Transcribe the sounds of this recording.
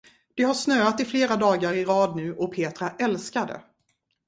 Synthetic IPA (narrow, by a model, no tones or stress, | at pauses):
d̪̥ɛɦaʂnøːat̪ɪfleːɾad̪ɑːɡaɾɪɾɑːd̪nʉ̟ːʔɔpʰeːt̪ɾaʔɛlskad̪ə̰